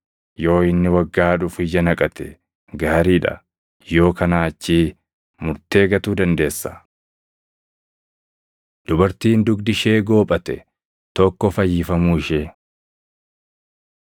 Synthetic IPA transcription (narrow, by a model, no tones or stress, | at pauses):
jo̞ːɪnːɪwɐɡːaːᶑʊfɪjːɐnɐkʼɐt̪ʰɛ | ɡaːɾiːᶑɐ̰ | jo̞ːkɐnaːɐt͡ʃːiː | mʊɾt̪e̞ːɡɐt̪uːd̪ɐnd̪e̞ːsːɐ̥ | d̪̥ʊbɐɾt̪iːnd̪ʊɡd̪ɪʃeːɡo̞ːpʼɐt̪ɛ | t̪ɔkːɔfɐjːɪfɐmuːɪʃeː